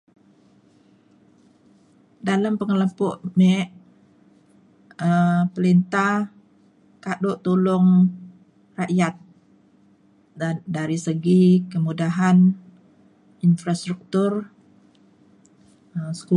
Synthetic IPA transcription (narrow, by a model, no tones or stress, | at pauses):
dalampəŋələpʊʔmɛʔ | əpəlint̪a | kadoʔt̪ulʊŋ | raʔjat̪̚ | daɾisəɡikəmudaɦan | infɾast̪ɾuk̚t̪ur | əsə̥ku